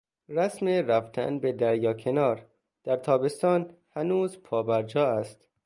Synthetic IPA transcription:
ræsmeɾæft̪ʰæ̰nbed̪æɾjɒːkʰe̞nɒːɾ | d̪̥æɾt̪ʰɒːbe̞st̪ɒːnhænuːzpʰɒːbæɾd͡ʒɒːæst̪

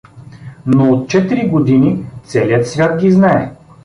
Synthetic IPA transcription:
noot̪̚t͡ʃɛt̪iɾiɡod̪init̪sɛliət̪svʲjat̪̚ɡʲiznaɛ

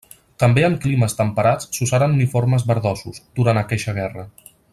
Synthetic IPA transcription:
t̪əmbeəmkliməst̪əmpəɾat͡sːuzaɾənunifoɾməzβəɾðɔsuzd̪̥uɾanəkɛʃəɣ̞ɛrə

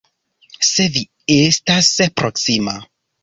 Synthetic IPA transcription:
se̞vi | estaspɾoksima

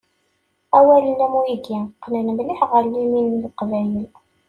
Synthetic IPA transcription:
æwælənæmuiɡæqːnənmliħʁəlːiminːlqvæjəl

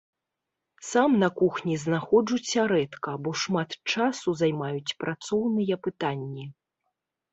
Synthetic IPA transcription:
samnɐkuxnʲiznaxɔd͡ʐut͡sʲːɐɾɛt̪kɐbɔʂmat̪t͡ʂasuzajmajut͡sʲpɾʔat̪sɔwnɨjɐpɨt̪anʲːi

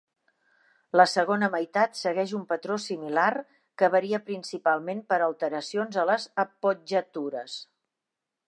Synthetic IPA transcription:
ləsəɣ̞onəməjt̪at̪səɣɛʒumpət̪ɾosimilar | kəβəɾiəpɾinsipalˠmempəɾəlˠt̪əɾəsionzələzəpod͡ʒət̪uɾəs

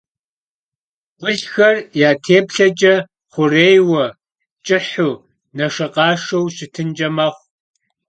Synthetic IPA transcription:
ʁʷʊɮxɐrjaːtʰeːpɬɐd͡ʒʼɐ | χʷʊreːjwɐ | t͡ʃʼɪħuː | nɐʂɐqʼɑːʂɐwɕɪtʰɨnd͡ʒɐmɐχʷ

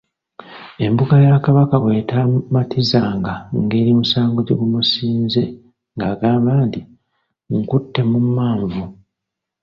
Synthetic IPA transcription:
e̞mbuɡajakaβakawe̞ːtamatʰizaːŋɡaŋɡe̞ːɾimusaːŋɡoɟeɡumusiːnze̞ | ŋɡaːɡaːmbaːnti | ŋkutːe̞mumːaːɱvu

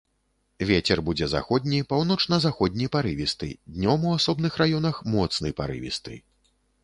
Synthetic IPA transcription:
vʲet͡sʲɛrbud͡zʲɛza̰xɔd̪ʲnʲijpawn̪ɔt͡ʂnɐzaxɔd̪ʲnʲijpaɾɨvʲist̪ɨ̰d̪ʲnʲɔmuasɔbn̪ɨxrajɔnɐxmɔt̪snɨjpa̰ɾɨ̰vʲḭst̪ɨ̰

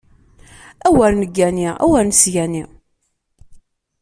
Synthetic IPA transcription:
æwæɾnəɡːæniʁæ̰wæɾnsjæni

